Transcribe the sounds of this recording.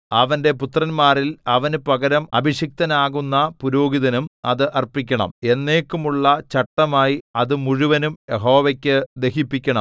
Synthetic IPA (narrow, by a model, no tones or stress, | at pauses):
ɐʋɐnde̞put̪rɐnmaːrilɐʋɐnpɐɣɐɾɐmɐ̰bʱiʂjɐk̚t̪ɐnaːɣunːɐpuɾo̞ːɡiðɐnumɐðɨʔɐrpikʲːɐɳɐ̰me̞nːe̞ːkːumuɭːɐt͡ɕɐʈːɐmaːjiɐðɨmuɻuʋɐnumjeɦo̞ːʋɐkʲːɨd̪eɦipːikʲːɐɳɐm